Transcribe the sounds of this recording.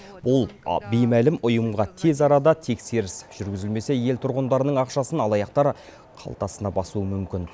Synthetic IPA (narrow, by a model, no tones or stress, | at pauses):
bʊlˠbejmælɪmʊjəmʁɑt̪ʰe̞zɑɾɑd̪ɑt̪ʰe̞kse̞ɾɪsʒ̥ʏɾɡʲɪzɪlme̞se̞je̞lt̪ʰʊɾʁənd̪ɑɾənəɴɑqʃɑsənɑlˠɑjɑqt̪ɑɾ | qʰɑ̰lˠt̪ɑsənɑbɑsuəmʏmkʲɪn